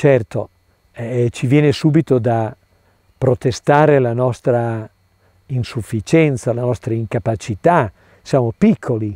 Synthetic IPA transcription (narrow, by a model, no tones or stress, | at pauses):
t͡ʃɛrt̪o̰ | ɛt͡ʃivjɛːnesuːbit̪od̪a | pɾot̪est̪aːɾelanɔst̪ɾa | insufːit͡ʃɛnt̪salanɔst̪ɾaiŋkapat͡ʃit̪a | sjamopikʰːoli